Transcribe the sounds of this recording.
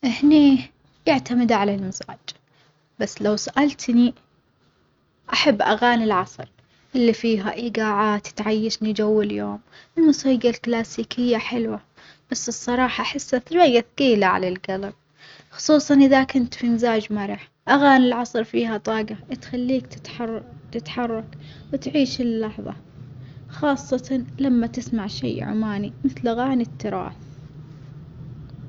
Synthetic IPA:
ʔɪhni | jɪʕt̪amɪd̪ʕalalmɪza̰ːd͡ʒ | basːlawsaʔalt̪ni | ʔaħabːʔaɣaːnɪlʕɑsˤɾ | ʔɪlːifiːɦaʔiːɡaːʕaːt̪t̪ʕajːaʃnid͡ʒawːaljoːmɪlmʊsiːɡalklaːsiːkɪjːaħɪlwa | b̥asːɨsˤːɑɾˤɑːħɑʔaħɪsːaθwajːaθɡiːlaʕa̰lalɡalab̚ | xʊ̥sˤuːsˤɑnʔɪðakʊnt̪finzaːd͡ʒmaɾˤɪħ | ʔaɣaːnɪlʕɑsˤɾfiːɦat̪ˤɑːɡaʔt̪xalːiːkt̪ | t̪ɪt̪ħɑrˤːɑkwɪt̪ʕiːʃɪlːɑħðˤɑ̰ | xɑːsˤːɑlamːat̪ɪsmaʕʃḛjʕʊ̰maːnimɪθlʔaɣaːnit̪ʰːɨɾˤɑ̰ːθ

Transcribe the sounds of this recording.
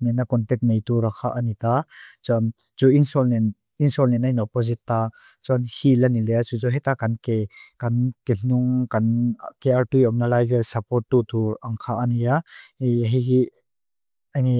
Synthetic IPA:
nɛnːakɔnt̪ɛk̚t̚nejt̪uɾakʰaʔanit̪at͡sɔn | t͡suinsɔlnɛn | insɔlnɛnainɔpːɔzit̪ːa | t͡sɔnhilanilɛjat͡suzɔɦɛt̪akɐnkekankeɬuŋkankeartujɔm̚nalajvelsɐpɔt̚tːut̪uaŋkʰaʔanija | ɦiɦi | ajni

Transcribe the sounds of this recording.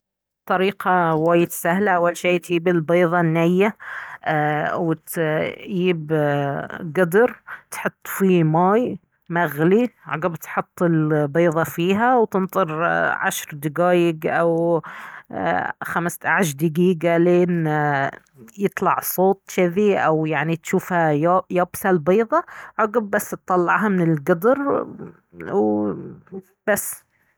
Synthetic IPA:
t̪ˤːɑɾiːqɑwaːjɪt̪sahlaʔawːalʃeːt̪jiːbɪlbeːðˤɑnːajːa | wɪt̪jiːb | ɡʊd̪ɾt̪ħʊt̪ˤːfimɑːj | maɣliʕɑ̰ɡabt̪ħʊt̪ˤːɪlbeːðˤɑfiːɦawt̪ɪnt̪ˤɨɾʕa̰ʃɾˤd̪ɪɡaːjɪɡʔaw | xamst̪aʕaʃ̬d̪ɪɡiːɡaleːn | jɨt̪ˤlɑʕsˤoːt̪ˤʃɪðiʔawjaʕnit̪ʃuːfhajajaːbsalbiːðˤɑʕɑɡabːasːt̪ˤːɑlːɑʕɦamɪnɪlɡʊd̪ɾ | w | b̥asː

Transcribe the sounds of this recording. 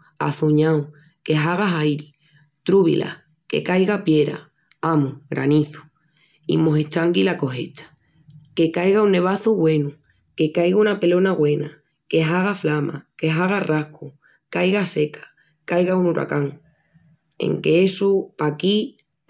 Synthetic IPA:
a̰θuɲaw | ke̞ɦaɣ̞aɦajɾi | t̪ɾuβḭlʔa̰ | ke̞̰kajɣapje̞ɾa̰ | amuɣɾa̰niθu̥ | ḭmo̞ɦet͡ʃaŋɡilako̞ɦe̞t͡ʃḁ | ke̞kajɣaunːe̞β̞aθuɣwe̞nu | ke̞kajɣaunape̞lo̞naɣwe̞na | ke̞ɦaɣ̞aflama̰ke̞ɦaɣ̞arʔahkʰu | kajɣase̞kʰḁ | kajɣaunuɾʔa̰kaŋ | e̞̰ŋke̞esupaki

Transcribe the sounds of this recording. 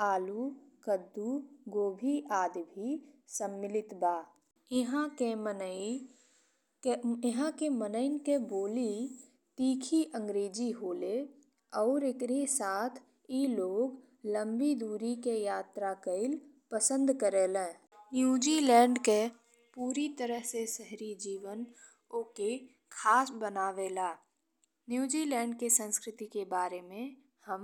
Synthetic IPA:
aːlukəd̪ːuɡoːbʱiʔaːd̪bʱisəmːɪlɪt̪baː | ɦãkemən | ɦãkemənəɪnkeboːli | ʈiːkʰiʔə̃ŋɡɾeːd͡ʒiɦoːle | ɔːɾɪkɾisaːt̪ʰ | iloːɡ | lə̃mbid̪uːɾikejaːt̪ɾakəɪl | pəsə̃nd̪kəɾeːlɛ̃ː | njuːd͡ʒilɛ̃ːɳɖke | puːɾit̪əɾəɦsesəɦɾid͡ʒiːʋən | oːke | kʰaːsbənaːʋelaː | njuːd͡ʒiːlɛ̃ːɳɖkesə̃nskɾɪt̪ikebaːɾemẽ | həm

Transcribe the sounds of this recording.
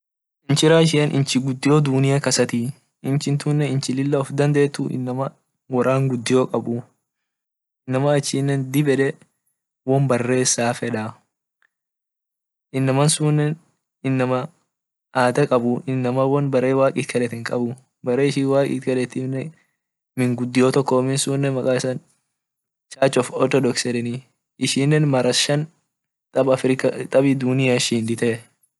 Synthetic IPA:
ʔɪnt͡ʃɪɾaːʃ̬ɪɛnʔɪ̰nt͡ʃɪɡʊd̪ːɪjoːd̪unɪjakɐsɐt̪i | ɪnt͡ʃɪnt̪uːnːɛɪnt͡ʃɪlɪlːɐɔfd̪ɐnd̪e̞ːt̪ːuʔɪ̰nːɐmɐ | wɐɾaːŋɡʊd̪ːɪjoːkʼɐbʊ | ɪnːɐmɐːt͡ʃːiːnːɛnd̪ɪbɛᶑɛ | wɔmbɐrːe̞ːsːaːfɛᶑaː | ʔɪnːɐmɐnsuːnːɛn | ɪnːɐmɐ | ʔaːt̪ɐkʼɐbʊɪnːɐmɐwɔnbɐɾeːwaːkʼiːt̪kʰɐlɛt̪ɪŋkʼɐbʊ | bɐɾe̞ːɪʃiːwaːkʼḭːt̪kɐlɛt̪ɪnɛ | mɪŋɡʊd̪ːɪjoːt̪ɔkːɔmɪnsuːnːɛmɐkʼaːɪsɐn | t͡ʃaːt͡ʃːɔfɔt̪ɔd̪ɔksɛd̪ɛni | ɪʃiːnːɛnmɐɾɐʃɐn | t̪ʼɐbɐfɾɪkɐt̪ʼɐbid̪unɪjaʃiːnd̪ɪt̪ɛ

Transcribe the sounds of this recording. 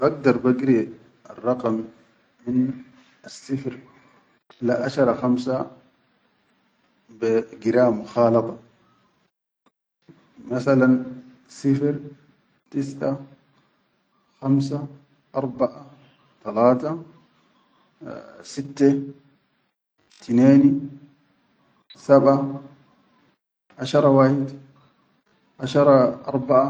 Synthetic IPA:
baɡ̚d̪ɑɾˤbaɡɾi | ɑ̰rˤːɑqɑm | min | asːifɾ | laʔaʃɑɾˤɑxamsa | biɡɪɾaːmʊxɑːlɑt̪ˤɑ | masalan | sifɾ | t̪isʕa | xams̬a | ʔɑɾˤbaʔa | t̪alaːt̪a | sit̪ːa | t̪ineːn | saba | ʔaʃɑɾˤɑwaːħid̪ | ʔaʃɑɾˤɑʔɑ̰ɾˤbaʔa

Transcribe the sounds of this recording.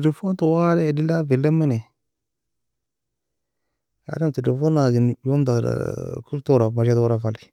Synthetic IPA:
lefontowaɾɛdilavilːemine | a̰damtelefonaɡinjomdaɾ̰kultoɾamaʃatːɾafali

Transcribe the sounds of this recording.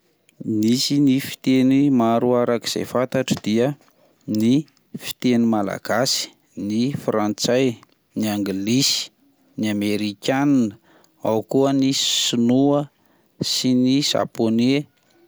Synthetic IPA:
nisinifi̥t̪enimaɾuaɾakiz̥ḛjfant̪aʈ͡ʂəd̪̥iə | ni | fi̥t̪enimala̰ɡ̥asi̥ | nifrant͡saj | niaŋɡilisi̥ | niameɾikʲaninə | awkuənisinuə | siniz̥a̰pone

